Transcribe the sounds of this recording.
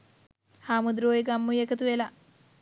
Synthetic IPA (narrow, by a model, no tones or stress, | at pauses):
haːmud̪ɾoːjiɡɐmːujekɐt̪uela